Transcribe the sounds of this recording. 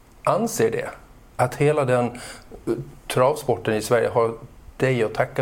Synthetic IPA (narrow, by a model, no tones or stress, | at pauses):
ʔanseːɖɛ̰ | at̪heːlad̪ɛn | t̪ʰɾɑːvspɔʈːənɪsvæɾjə̰ɦad̪̥ɛjɔt̪ʰakːa